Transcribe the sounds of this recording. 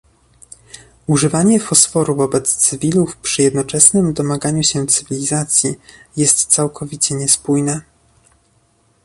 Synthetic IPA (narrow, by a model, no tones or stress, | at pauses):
uʐɘvaɲɛfɔsfɔɾuvɔbɛt̪st̪sɘvʲilufpʂɘjɛd̪nɔt͡ʂɛsnɘmd̪ɔmaɡaɲuɕɛt̪sɘvʲilʲizat̪sʲjijɛst̪sawkʰɔvʲit͡ɕɛɲɛspujnɛ